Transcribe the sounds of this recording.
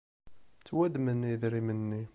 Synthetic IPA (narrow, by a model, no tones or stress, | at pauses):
t͡sːwæd̪mənːiðɾimənːi